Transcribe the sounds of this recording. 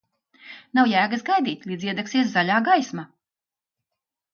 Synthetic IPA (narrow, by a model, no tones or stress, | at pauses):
nawjæːɡəsɡajd̪iːt̪ʲlˠiːziɛd̪ɛksiɛszalʲaːɡajsma